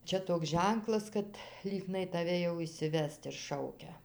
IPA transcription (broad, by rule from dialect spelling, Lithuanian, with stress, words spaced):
ˈt͡ʃʲɛ toːks ˈʒʲɛŋklˠɐs kɐt ˈlʲiːɡnɐɪ tɐˈʋʲɛ jɛʊ ɪʃʲsʲɪˈʋʲɛst ɪr ˈʃɐʊkʲɛ